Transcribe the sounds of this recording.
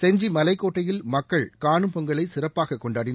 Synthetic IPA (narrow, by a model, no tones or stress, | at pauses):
sɛɲd͡ʒimɐlɐɪkːoːʈːɐjɪlmɐkːɐɭkaːnɯmpɔŋɡɐɭɐɪsɪrɐpːaːɣɐkːɔɳɖaːɽɪn